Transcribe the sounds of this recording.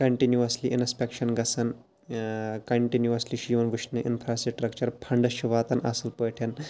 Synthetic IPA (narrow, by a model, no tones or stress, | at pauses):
kɐɳʈinjuɐsliʔinspekʃɐnɡɐsʰɐn | kɐɳʈinjuɐsliʃiːʋɐnʋiʃnɨʔḭnfʰɾaːsiʈɾɐk̚t͡ʃɐɾpʰɐɳɖɐʃiʋaːt̪ɐnɐ̰sɐlpɐjʈʰɐn